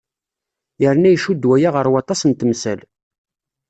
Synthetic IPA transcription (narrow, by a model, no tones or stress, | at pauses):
jəɾnæjʃud̪wæjaʁəɾwɑt̪ˤɑsənt̪msæl